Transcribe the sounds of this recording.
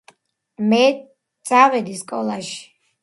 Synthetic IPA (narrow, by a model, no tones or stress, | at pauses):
mɛ | d̪z̥ʼavɛd̪iskʼɔlˠaʃi̥